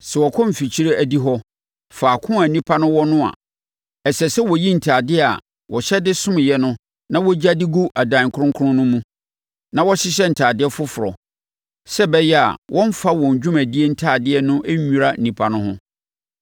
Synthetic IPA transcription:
sɛ˨wɔ˨kʰɔ̃˦m̩˨fi˨t͡ɕʰi˦ɾe˦ʔæ˨di˦ɦɔ˦ | faː˨kʰʊ̃˦a˨nĩ˦pʰa˦nʊ̃˦wɔ˦nʊ̃˦a̰˨ | ɛ˨sɛ˨sɛ˦wɔ˨ji˦n̩˨tʰaː˨dɪ˦˨a̰˨ | wɔ˨ɕɛ˦dɪ˦sʊ̃˦mɪ̃˨jɛ˦nʊ̃˦ | nã˦wɔ˦d͡ʑa˦dɪ˦ɡu˦ʔa˨dã˨kʰʊ˦ɾʊ̃˦ŋkʰʊ˦ʊ̃˦nʊ̃˦mũ˦ | nã˦wɔ˦ɕɪ˦ɕ̬ɛ˦n̩˨tʰaː˨dɪ˦ɛ˦fʊ˦fʊ˨ɾɔ̰˨ | sɛ˦bɛ˦jɛ˦a̰˨wʔɔ̃˦m˦fa˦wɔ̃˨ɲ˨d͡ʑᶣũ˦mæ˨di˦ɛ˦n̩˦tʰaː˨dɪ˦ɛ˦nʊ̃˦ʔæ˦ɲũ˨ɾa˦n̩˨ĩ˨pʰa˨nʊ̃˦hʊ̃˦

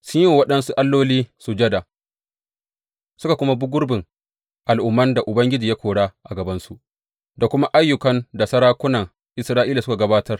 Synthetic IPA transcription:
sʊ˦ɲji˦˨wɐ˦ɗɐ˦nsu˦ʔa˦lːoː˦liː˦su˨d͡ʒɐ˦da˨ | sʊ˦ka˨kʷʊ˦ma˦bʊ˦ɡʷʊ˦rbɪ˨ŋ | ʔa˨lʔʊ˨˦mːɐ˦nda˨ʔʊ˨bɐ˦ŋɡʲɪ˦d͡ʒiː˨ja˦kʷoː˨ɽaː˦ʔa˨ɡɐ˨bɐ˦nsu˦ʔ | da˨kʷʊ˦ma˦ʔa˦jːʊ˨kɐ˦nda˨sɐ˦ɽaː˦kʷʊ˦nɐ˨ŋ | ʔɪ˨sɾaː˦ʔiː˦la˨sʊ˦ka˨ɡɐ˦baː˦tɐ˦r

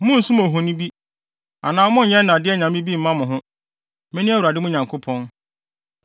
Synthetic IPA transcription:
mʊ̃˦n̩˨˦su˦mo˨ɦʊ̃˨nĩ˦bi˦ | a˨nãː˨˦mʊ̃˦˨ɲɛ̃˦n˦nã˨dɪ˦ɛ˦˨ɲã˨m˦bĩ˦bi˦m̩˨˦mã˦mʊ̃˨ɦʊ̃˦ | mɛ̃˦nĩ˦æ˦wu˨ɾa˨dɪ˦mʊ̃˦˨ɲã˨ŋkʰo˦pʰɔ̃˦n

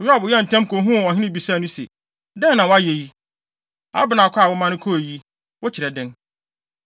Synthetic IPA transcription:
jɔ˦a˦˨bʊ˨jɛ˦˨n̩˨tʰɛ̃˦mkʰo˨ɦũ˦˨ɔ˨ɦɪ̃˦nɪ̃˦bi˨saː˦˨nʊ̃˦sḛ˨ | dɛ̃˦nã˨wa˦je˨ji˦ | a̰˦bɪ˨˦nã˨kʰɔ˦a˨wʊ˦mã˦nʊ̃˦kʰɔ˦e˨ji˦ | wʊ˦t͡ɕʰɪ˨ɾɛ˨dɪ̃˦n

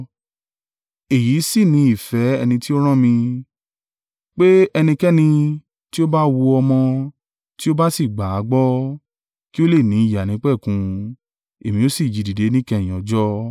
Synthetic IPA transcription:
e˨ji˨˦si˦˨nĩ˨˧˦i˨fɛ˨˦ɛ˧nĩ˧ti˦o˦ɾ̃ã˦mĩ˧ | k͡pe˦ɛ˧nĩ˧kɛ˦nĩ˧ | ti˦o˦ba˦wu˧ɔ˧mɔ̃˧ | ti˦o˦ba˦si˦˨ɡ͡ba˨a˨˦ɡ͡bɔ˦ | ki˦o˦le˦˨nĩ˨˦i˦˨ja˨nĩ˨˦k͡pɛ˦˨kũ˧ | e˨mĩ˧o˦si˦˨d͡ʒi˨di˨de˨˦nĩ˦kɛ̃˧˨ɔ̃˨˦d͡ʒɔ˦

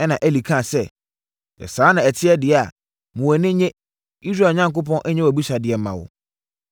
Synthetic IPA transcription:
ɛ˦nã˨ʔæ˦li˨kʰã˦˨sɛ˦ | ɛ̰˨sãː˦nã˨ɛ˨tʰɪ˦ɛ˦dɪ˨ɛ˨a˨ | mũ˨ɛ˨nɪ̃˦ɲẽ˦ | i˦sɾa˨ɲã˦ŋkʊ˦p̬ʰɔ̃˦nʔɛ˦ɲɛ̃˦wæ˨bi˦ɕa˨dɪ˨ɛ˨˦mã̰˨wʊ̰˨

